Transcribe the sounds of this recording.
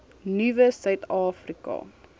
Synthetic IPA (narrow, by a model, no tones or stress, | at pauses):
nivəsœɥtɑːfrikɐ̰